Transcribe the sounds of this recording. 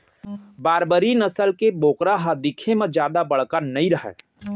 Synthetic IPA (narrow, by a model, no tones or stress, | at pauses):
baːɾbəɾinəsəlkeboːkɾaɦad̪ɪkʰemə̃d͡ʒjaːd̪abɐɽ̤kanɐĩɾəɦɛ̰